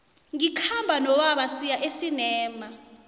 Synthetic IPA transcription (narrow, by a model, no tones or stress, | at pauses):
ŋikʰambʱanɔwaɓasijaʔesinɛːma